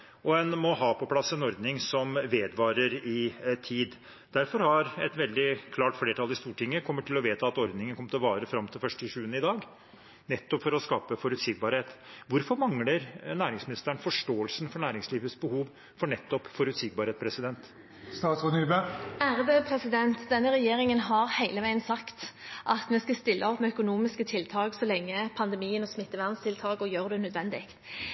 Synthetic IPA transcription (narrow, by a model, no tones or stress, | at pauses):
ʔɔɛnmɔhɑːpʰɔpʰlɑsːɛnɔɾd̪nɪŋsɔmʋeːd̪ʋɑːɾəɾɪt̪ʰiːd̪ | d̪̥æɾfɔɾhɑɾɛt̪ʋɛld̪ɪkʰlɑːʈfleːɾʈʰɑlɪst̪uːʈɪŋːəkʰɔmːəʈʰɪlɔʋeːt̪əɑt̪ɔɾd̪nɪŋənkɔmt̪ɪlʋɑːɾəfɾɑmt̪ʰɪlfœʂʈɪʂʉːənəɪd̪ɑːɡ | nɛt̪ːɔpfɔɾɔskɑːpəfɔɾʉt̪sɪɡ̚bɑːɾheːt̪ʋʊɾfɔɾmɑŋləɾnæːɾɪŋsmɪnɪst̪əɳfɔʂʈoːəlsn̩fɔɳæːɾɪŋsliːʋəsbəhuːʋ | fɔɳɛt̪ːɔpfɔɾʉt̪sɪɡ̚bɑːɾheːt̪̚pʰɾɛsɪd̪ɛnt̪ | st̪ɑːt̪sɔnyːbææːɾəbøpʰɾɛsɪd̪ɛnt̪d̪ɛnːəʁɛjeːɾɪŋənɦɑɾhæɪləʋæɪənsɑkt̪ʔɑt̪mɛskɑst̪ɪlːʔəɔpmɛœkʊnuːmɪskət̪ʰɪlt̪ʰɑːɡsɔlɛŋːəpʰɑnd̪ɛmiːənɔsmɪt̪ːəʋæʁnst̪ʰɪlt̪ʰɑːɡɔjøːʁd̪ɛnœd̪ʋɛnd̪ɪkt̪